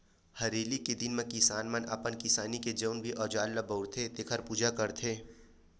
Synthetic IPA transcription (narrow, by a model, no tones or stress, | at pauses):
hɐɾeːliked̪ɪnmẽkɪsaːnməna̰pənkɪsaːniked͡ʒəʊnbʱiʔɔːd͡ʒaːlːabəʊɽt̪ʰet̪ekʰəɾpuːd͡ʒakəɾt̪ʰeː